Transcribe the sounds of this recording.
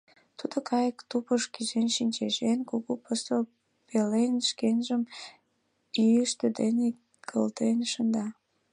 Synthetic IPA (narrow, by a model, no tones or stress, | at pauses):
t̪ud̪okɑjəkt̪upəʃkiʒenʃinʲt͡ɕeʒenkuɣupəst̪o | pelenʃkenʒəm | ijəʃt̪əd̪ene | kʰə̰lt̪enʃənd̪ɑ